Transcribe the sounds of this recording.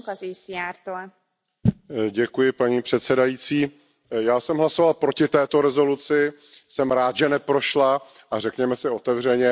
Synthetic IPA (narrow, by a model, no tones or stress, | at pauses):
kazisiaːɾt̪oɛ | ɟɛkujɪpaɲiːpr̥ɛt̪sɛdajiːt͡siː | jaːsɛmɦlaso̞valpɾo̞cɪt̪ɛːt̪o̞ɾɛzo̞lut͡sɪ | sɛmɾaːt̪ʒɛnɛpɾo̞ʃla | ʔarɛkɲɛmɛsɪo̞t̪ɛvr̝ɛɲɛ